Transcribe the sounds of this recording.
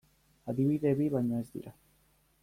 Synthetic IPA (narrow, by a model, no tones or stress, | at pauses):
aðiβiðeβiβaɲaezd̪ḭɾa